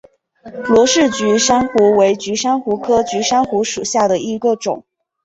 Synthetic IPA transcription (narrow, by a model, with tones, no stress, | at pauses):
lwɔ˧˥ʂɻ̩˥˩t͡ɕy˧˥ʂa˥nxu˧˥we˧˥ɪt͡ɕy˧˥ʂa˥nxu˧˥kʰɤ˥t͡ɕy˧˥ʂa˥nxu˧˥ʂu˨˩ɕja˥˩d̪ə˩i˧˥ɡə˧ʈ͡ʂʊ̰˨˩˦ŋ